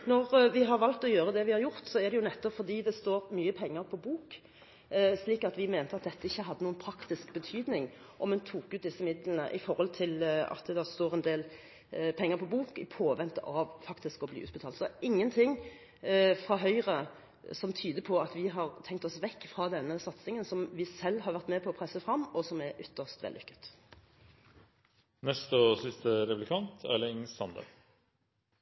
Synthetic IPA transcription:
nɔʁʋɪɦɑɾʋɑlt̪ɔjøːɾəd̪ɛʋɪhɑɾjʊʁt̪sɔɛʁd̪ɛjʊnɛt̪ːɔpfɔʁd̪iːd̪ɛst̪oːɾmyːəpʰɛŋːəɾpʰɔbuːk | sliːkɑt̪ʋɪmeːnt̪əɑt̪̚d̪ɛt̪ːəɪçːəɦɑd̪ːənuːənpʰɾɑkt̪ɪskbət̪ʰyːd̪nɪŋ | ʔɔmɛnt̪ʰuːkʉːt̪d̪ɪsːəmɪd̪lənə̰ʔɪfɔɾhɔlt̪ʰɪlɑ̰t̪̚d̪ɛd̪ɑst̪oːʁɛnd̪eːl | pʰɛŋːəɾpʰɔbuːkɪpʰoːʋɛnt̪əʔɑʋfɑkt̪ɪskɔblḭːʉ̰ːt̪bət̪ʰɑːlt̪sɔɪŋːənt̪ʰɪŋ | fʁɑːɦœʏʁə | sɔmt̪ʰyːd̪əpʰɔɑt̪ʋɪɦɑʁt̪ʰɛŋk̚t̪ɔsʋɛkːfʁɑːd̪ɛnːəsɑt̪sɪŋənsɔmʋɪsɛlːɦɑʁɾʋæʁt̪mɛːpʰɔɔpʰʁɛsəfʁɑmːɔsɔmɛɾʔʏt̪ːəʁʂt̪ʋɛ̰lːʏkːʉ̥t̪ | nɛst̪ɔsɪst̪əɾɛplɪkʰɑnt̪ʰæ̰ləɪŋsɑnd̪ə̰

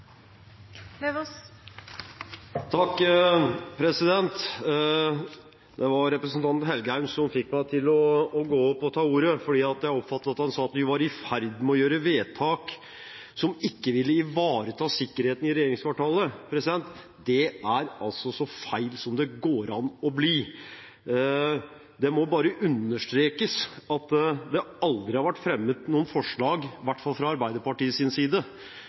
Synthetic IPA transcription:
t̪ʰɑkː | pʰɾɛsɪd̪ɛnt̪ | d̪ɛʋɑɾɾɛpɾəsn̩t̪ɑnt̪hɛlɡəhæɪmsɔmfɪkmæɪt̪ʰɪlɔːɡoːɔpːɔt̪ʰɑːuːɾəfɔɖiːɑt̪jæɪɔpfɑt̪ːəɑt̪hɑnsɑːɑt̪ʋɪʋɑɾɪfæɾd̪mɛɔjøːɾəʋeːt̪ʰɑːk | sɔmɪkːəʋɪlːəɪʋɑːɾət̪ʰɑːsɪkːəɾheːt̪n̩ɪɾɛjeːɾɪŋskɑːʈɑːləpʰɾɛsɪd̪ɛnt̪ː | d̪ɛæɾɑlsɔsɔfæɪlsɔmd̪ɛɡoːɾɑnɔbliː | d̪ɛmɔbɑːɾəʔʉnːəʂʈɾeːkəsɑt̪d̪ɛɑld̪ɾɪhɑɾʋæʈːfɾɛmːəd̪nuːənfɔʂɭɑːɡʋæʈːfɑlfɾɑɑɾbæɪd̪əpɑʈiːəsɪnsiːd̪ə

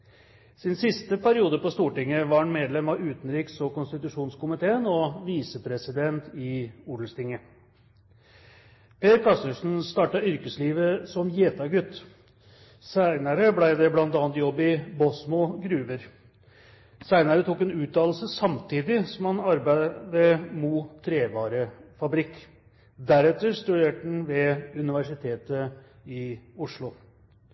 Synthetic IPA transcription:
sɪnsɪst̪əpæɾɪuːd̪əpɔst̪uːʈɪŋːəʋɑɾɑnmeːd̪lɛmɑʉːt̪n̩ɾiːksɔkʊnst̪ɪt̪ʉʂuːnskʊmɪt̪ʰeːənɔʋiːsəpʰɾɛsɪd̪ɛnt̪ʰɪuːɖl̩st̪ɪŋːə | pʰeːɾkʰɑst̪əʂn̩st̪ɑːʈɑʏɾkəsliːʋəsɔmjeːt̪ɑɡʉt̪ː | sæɪnəɾəblæɪd̪ɛblɑnt̪ɑːnt̪jɔbːɪbɔsmɔɡɾʉːʋəɾ | sæɪnəɾət̪ʰuːkɛnʉːt̪ːɑːl̩səsɑmt̪ʰiːd̪ɪsɔmhɑnɑɾbæɪd̪əmut̪ʰːɾeːʋɑːɾəfɑbɾɪkː | d̪æɾɛt̪ːəʂt̪ʉd̪eːʈən̩ʋɛʉnɪʋæʂɪt̪ʰeːt̪əɪʊʂlʊ

